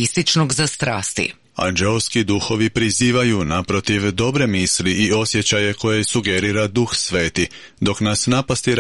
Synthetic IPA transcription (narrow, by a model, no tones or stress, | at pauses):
ist̪it͡ʃnoɡzast̪ɾaːst̪ḭ | a̰nd͡ʒelskid̪uxo̞ʋipɾiziːʋajunapɾo̞t̪iʋd̪o̞bɾe̞misliio̞sje̞t͡ɕaje̞ko̞jesuɡeɾiːɾad̪uxsʋe̞ːt̪i | d̪o̞knasnapast̪iɾ